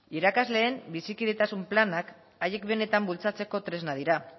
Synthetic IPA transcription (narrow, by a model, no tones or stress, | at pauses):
iɾakazle̞ːmbisikiðet̪asumplanak | aje̞kbe̞ne̞t̪ambult͡sat͡se̞ko̞t̪ɾe̞znað̞iɾa